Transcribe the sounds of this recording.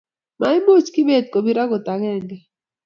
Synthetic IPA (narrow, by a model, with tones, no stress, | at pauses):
ma˨ɪ˦mo˦t͡ʃki˦be˦˨t̪̚ko˨bi˦ɾa˦ɡo˨t̪a˨ɡɛ˦˨ŋɡɛ˨